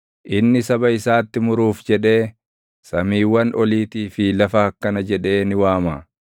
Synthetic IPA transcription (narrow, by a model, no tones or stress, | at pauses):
ʔɪnːɪsɐbɐɪsaːt̪ːɪmʊɾuːfd͡ʒɛᶑe̞ː | sɐmiːwːɐnʔɔliːt̪iːfɪlɐfɐkːɐnɐd͡ʒɛᶑe̞ːnɪwaːmaː